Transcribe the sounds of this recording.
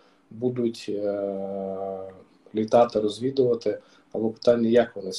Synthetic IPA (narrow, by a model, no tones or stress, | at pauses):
bud̪ʊtʲ | lʲit̪ɑt̪ɪrɔzʲʋʲid̪ʊʋɐt̪ɪ | ɐ̰lˠɛpɪ̥t̪ɑnʲːɐjɐkʋɔnɪs